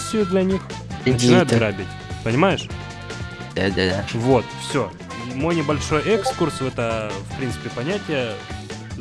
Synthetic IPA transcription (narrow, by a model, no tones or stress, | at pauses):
sʲɪjʊd̪lʲɐnʲix | nət͡ɕɪnajʊt̪ɡɾabʲɪtʲ | pənʲɪmajɪʂ | d̪ad̪ad̪avo̞t̪fsʲo | mo̞jnʲɪbɐlʲʂo̞jʔɛkskursvɛt̪əfpɾʲint̪sɨ̥pʲɪpɐnʲætʲɪjə